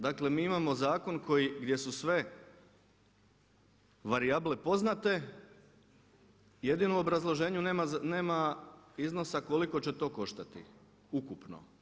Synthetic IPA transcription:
d̪akle̞miːimamo̞zaːko̞nko̞jiɡd̪je̞susʋe̞ | ʋaɾiablepo̞znat̪e̞ | je̞d̪inuobɾazlˠo̞ʒe̞ːɲunemaneːmaizno̞sako̞liko̞t͡ɕe̞t̪o̞ːko̞ʃt̪at̪ḭ | ukupno̰

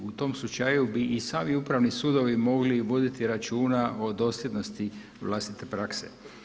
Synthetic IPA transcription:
ut̪o̞mslut͡ʃajubiʔisaːmiupɾaʋnisuːd̪o̞ʋimo̞ɡliʋo̞d̪it̪iɾat͡ʃuːnaʔo̞d̪o̞sljed̪no̞st̪i | ʋlˠast̪it̪e̞pɾakse̞̰

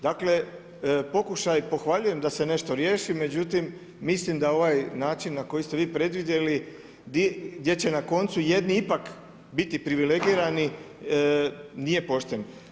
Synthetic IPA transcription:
d̪akle̞ | po̞kuʃajpo̞xʋaʎuje̞md̪ase̞ne̞ʃt̪o̞ɾje̞ːʃime̞d͡ʑut̪imː | islimd̪ao̞ʋajnaːt͡ʃinːako̞jist̪eʋiːpɾe̞d̪ʋid̪je̞li | d̪ɡd̪je̞t͡ɕe̞nako̞nt̪suje̞d̪niipak | bit̪ipɾiʋile̞ɡiɾani | nije̞po̞ʃt̪en

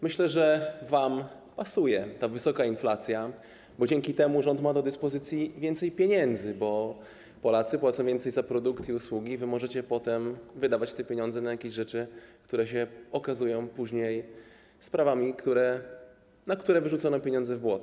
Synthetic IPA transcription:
mɘɕlɛʐɛvam | pasujɛt̪avɘsɔkainflat̪sʲja | bɔd͡ʑɛŋkʲit̪ɛmuʐɔnt̪mad̪ɔd̪ɘspɔzɘt̪sʲjivʲjɛnt̪sɛjpʲjeɲɛnd̪zɘbɔ | pɔlat̪sɘpwat̪sɔ̃w̃vʲjɛnt̪sɛjzapɾɔd̪ukt̪iuswuɡʲivɘmɔʐɛt͡ɕɛpɔt̪ɛmvɘd̪avat͡ɕt̪ɛpʲeɲɔ̃nzɛnajakʲeʑʐɛt͡ʂɘkt̪uɾɛɕɛɔkazujɔ̃w̃puʑɲej | spɾavamʲikt̪uɾɛ | nakt̪uɾɛvɘʐut̪sɔnɔpʲeɲɔ̃ndzɛvbwɔt̪

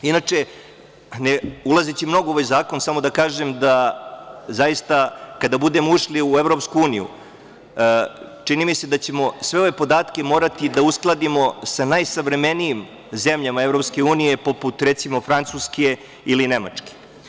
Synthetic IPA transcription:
inat͡ʂe | nulˠazet͡ɕimno̞ɡooʋajzaːko̞nsamo̞d̪akaːʒemd̪a | zajist̪akad̪abud̪e̞muʃliuevɾo̞pskuuːnijṵ | t͡ʂinimised̪at͡ɕe̞mo̞sʋe̞o̞ʋe̞po̞d̪aːt̪ke̞mo̞ːɾat̪id̪ausklˠad̪imo̞sanajsaʋɾe̞menijim | ze̞mʎamaevɾo̞pske̞uːnije̞po̞put̪ɾet̪simo̞fɾant̪suske | iline̞ma̰t͡ʂke̥

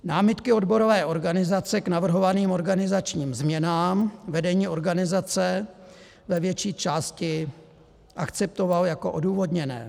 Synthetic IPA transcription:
naːmɪt̪kɪo̞dbo̞ɾo̞vɛːʔo̞ɾɡanɪzat͡sɛknavr̩ɦo̞vaniːmo̞ɾɡanɪzat͡ʃɲiːmzmɲɛnaːmvɛdɛɲiːo̞ɾɡanɪzat͡sɛ | vɛvjɛt͡ʃiːt͡ʃaːscɪ | ʔakt͡sɛp̚t̪o̞valjako̞ʔoduːvodɲɛnɛ̰ː

